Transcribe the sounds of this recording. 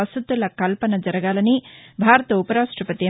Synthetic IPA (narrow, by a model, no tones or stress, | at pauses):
ɐsud̪ːɐlɐkɐlpɐnɐd͡ʒɐɾɐɡaːlɐnibʱaːɾɐt̪ɐupɐɾaːʂʈɾɐpɐt̪i